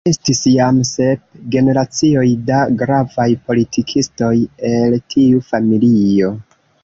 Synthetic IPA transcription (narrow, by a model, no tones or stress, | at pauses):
e̞stisjamse̞p̚ɡe̞ne̞ɾat͡sio̞jdaɡɾavajpo̞litʰikʰisto̞je̞ltʰiufamilio̞